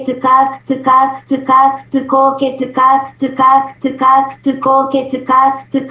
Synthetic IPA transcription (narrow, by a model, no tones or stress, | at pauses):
t̪ɨkakt̪ɨkakt̪ɨkakt̪ɨkoket̪ɨkakt̪ɨkakt̪ɨkakt̪ɨkoket̪ɨkakt̪ɨk